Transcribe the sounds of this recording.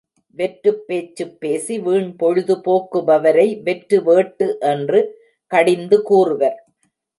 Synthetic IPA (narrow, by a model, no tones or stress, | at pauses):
ʋɛʈɾɯpːeːt͡ʃːɯpːeːsiʋiːɳpɔɻɯðɯpoːkːɯʋɐʋɐɾɐɪʋɛʈːɾɯʋeːʈːɯʔɛndrɯ | kɐɽɪnd̪ɯkuːrɯʋɐɾ